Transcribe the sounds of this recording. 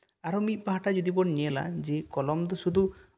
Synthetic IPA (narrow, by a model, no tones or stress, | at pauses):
aɾɔmit̪̚ˀbaɦaʈad͡ʒod̪ibɔɽnɛɛla̰d͡ʒekɔlɔmd̪ɔsud̪ʱu